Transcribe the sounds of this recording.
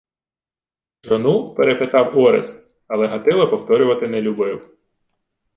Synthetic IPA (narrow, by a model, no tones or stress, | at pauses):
ʒɔnupeɾepet̪ɑwɔɾḛs | ɐlˠɛɦɐt̪ɪlˠɐpɔwt̪ɔɾʲʊʋɐt̪ɪnɛlʲʊbɪw